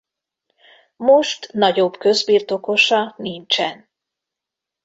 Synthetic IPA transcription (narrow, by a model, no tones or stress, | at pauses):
moʃt̪nɒɟo̞bkø̞zbiːrt̪o̞ko̞ʃɒnint͡ʃɛn